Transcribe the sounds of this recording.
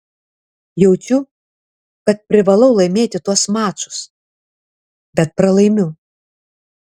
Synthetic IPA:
jɛʊt͡ʃʲʊ | kɐt̪̚pʲɾʲɪʋɐlˠɐʊlˠɐɪmʲeːt̪ʲɪt̪uɔsmɑːt͡ʃʊ̥s | bʲɛt̪̚pɾɐlˠɐɪmʲʊ

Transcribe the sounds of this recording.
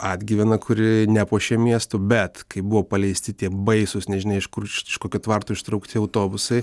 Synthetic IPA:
ɐːd̪ʲɡʲiʋʲɛnɐkʰʊɾʲɪnʲɛpoːʃʲiɛmʲiɛst̪ʊbʲɛt̪kɐɪbʊʋoːpɐlʲɛɪsʲt̪ʲɪt̪ʲiɛbɐɪsʊsnʲɛʒʲɪnɐɪɪʃkʊrʃɪʃkoːkʲut̪ʋɐrt̪oːɪʃt̪ɾɐʊkt̪ʲɪɐʊt̪oːbʊsɐɪ

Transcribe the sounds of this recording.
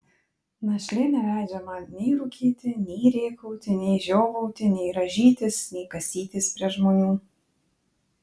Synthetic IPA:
nɐʃʲlʲɪnʲɛlʲæˑɪd͡ʒʲɛmɐnʲɛɪɾʊkʲʰiːt̪ʲɪnʲɛɪɾʲeːkɔʊt̪ʲɪnʲɛɪʒʲoːʋɔʊt̪ʲɪnʲɛɪɾɐʒʲiːt̪ʲɪsnʲɛɪkɐsʲiːt̪ʲɪspʲɾʲiɛʒmoːnʲuː

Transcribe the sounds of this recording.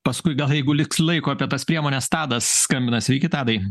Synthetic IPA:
pɐskʊɪɡɐlˠjɛɪɡʊlʲɪkslˠɐɪkoːɐpʲiɛt̪ɐspʲɾʲiɛmoːnʲɛst̪ɑːd̪ɐsskɐmʲbʲɪnɐsʲɪʋʲɛɪkʲɪt̪ɑːd̪ɐɪ

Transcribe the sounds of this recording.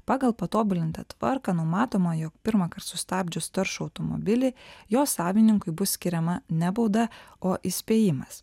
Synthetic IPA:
pɑːɡɐlˠpɐt̪oːbʊlʲɪnt̪ɐ̰t̪ʋɐɾkɑnʊmɑːt̪oːmɐjoːk̚pʲɪɾmɐkɐɾt̪sʊst̪ɑːbʲd͡ʒʲʊst̪ɐɾʃʊɐʊt̪omɔ̰bʲɪlʲɪjoːsɑːʋʲɪnʲɪŋkʊɪbʊssʲkʲɪɾʲɛmɐnʲæbɔʊd̪ɐoːʔɪsʲpʲeːjɪmɐs

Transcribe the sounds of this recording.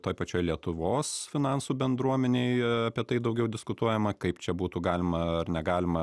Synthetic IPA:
t̪oːjpɐt͡ʃʲoːjlʲiɛt̪ʊʋoːsfʲɪnɑnsuːbʲɛnd̪ɾuɔmʲɛnʲeɪɐpʲiɛt̪ɐɪd̪ɐʊɡʲɛʊd̪ʲɪskʊt̪uɔjɛmɐkɐɪpt͡ʃʲɛbuːt̪uːɡɑːlʲɪmɐɐrnʲɛɡɑːlʲɪmɐ

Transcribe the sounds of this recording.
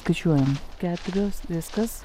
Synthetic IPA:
kɐɪt͡ʃʲuɔjɛmkʲæːt̪ʊɾʲoːsʋʲɪskɐs

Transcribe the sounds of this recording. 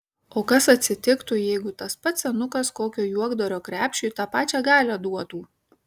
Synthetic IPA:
oːkɐsɐt̪ʲsʲɪt̪ʲɪkt̪ʊjɛɪɡʊt̪ɐspɐt̪sʲɛnʊkɐskoːkʲoːjuɔɡd̪oːɾʲoːkɾʲæːpʲʃʲuːˑt̪ɑːpɑːt͡ʃʲæːɡɑːlʲɛd̪uɔt̪uː

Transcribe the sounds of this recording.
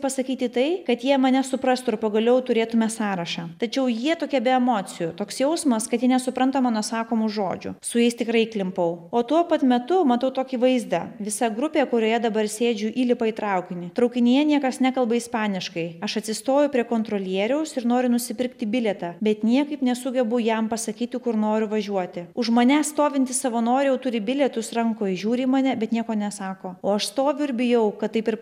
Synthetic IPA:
pɐsɐkʲiːt̪ʲɪt̪ɐɪkɐt̪jiɛmɐnʲɛsʊpɾɐst̪ʊɾpɐɡɐlʲɛʊt̪ʊɾʲeːt̪ʊmʲɛsɑːɾɐʃɑːt̪ɐt͡ʃʲɛʊjiɛt̪oːkʲɛbʲɛɛmoːt̪t͡s̪ʲɪjʊt̪oːksjɛʊsmɐskɐt̪jiɛnʲɛsʊpɾɐnt̪ɐmɐnosɑːkoːmʊʒo̰ːd͡ʒʲʊ̰sʊjɛɪst̪ʲɪkɾɐɪklʲɪmpɐʊoːt̪uɔpɐt̪mʲɛt̪ʊmɐt̪ɐʊt̪oːkʲiʋɐɪzd̪ɐʋʲɪsɐɡɾʊpʲeːkʊɾʲoːjɛd̪ɐbɐrsʲeːd͡ʒʲʊʔiːlʲɪpɐiːt̪ɾɐʊkʲɪnʲɪt̪ɾɐʊkʲɪnʲɪjɛnʲiɛkɐsnʲækɐlˠbɐɪspɑːnʲɪʃkɐɪɐʃɐt̪ʲsʲɪst̪oːjʊpʲɾʲiɛkoːnt̪ɾoːlʲiɛɾʲɛʊsɪɾnoːɾʲʊnʊsʲɪpʲɪɾkt̪ʲɪbʲɪlʲɛt̪ɑːbʲɛt̪nʲiɛkɐɪpnʲɛsʊɡʲɛbʊjɛmpɐsɐkʲiːt̪ʲɪkʊɾnoːɾʲʊʋɐʒʲuɔt̪ʲɪʊʒmɐːnʲæːsst̪oːʋʲɪnʲt̪ʲɪsɐʋɐnoːɾʲɪjɛʊt̪ʊɾʲɪbʲɪlʲɛt̪ʊsɾɐŋkoːɪʒʲuːɾʲiːmɑːnʲɛbʲɛt̪nʲiɛkoːnʲɛsɑːkoːoːɐʃst̪oːʋʲʊɪɾʲbʲɪjɛʊkɐt̪t̪ːɐɪpɪɾ

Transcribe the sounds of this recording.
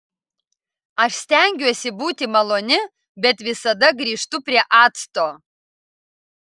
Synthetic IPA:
ɐʃsʲt̪ʲæŋʲɡʲuɔsʲɪbuːt̪ʲɪmɐlˠoːnʲɪ | bʲɛt̪ʋʲɪsɐd̪ɐɡɾʲiːʂt̪ʊpʲɾʲiɛʔɑːt̪st̪oː

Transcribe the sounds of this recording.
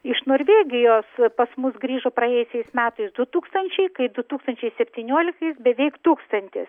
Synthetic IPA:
ɪʃnoːɾʲʋʲeːɡʲɪjoːspɐsmʊsɡɾʲiːʒoːpɾɐjeːjʊsʲɛɪsmʲæːt̪ɐɪsd̪ʊt̪uːkst̪ɐnʲt͡ʃʲɛɪkɐɪd̪ʊt̪uːkst̪ɐnʲt͡ʃʲɛɪsʲɛpʲt̪ʲiːnʲuɔlʲɪkt̪ɐɪsbʲɛʋʲɛɪkt̪uːkst̪ɐnʲt̪ʲɪ̰s

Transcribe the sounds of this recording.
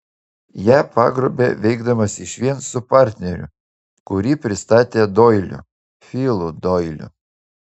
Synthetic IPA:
jæːpɑ̰ːɡɾoːbʲḛːʋʲɛɪɡd̪ɐmɐsɪʃʋʲiɛnsʊpɑːˑɾʲt̪ʲnʲɛɾʲʊ̰ | kʊɾʲiːpʲɾʲɪst̪ɑːt̪ʲeːd̪oːɪlʲʊ̰ | fʲiːlˠud̪ɔːɪlʲʊ̰

